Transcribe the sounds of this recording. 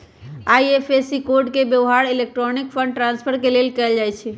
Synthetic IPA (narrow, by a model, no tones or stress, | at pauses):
aiepʰesikoɾɖkebjəʋɦaɾilek̚ʈɾɔnik̚pʰə̃ɳɖʈɾãnspʰəɾkelelkɛld͡ʒajt͡ʃʰɛ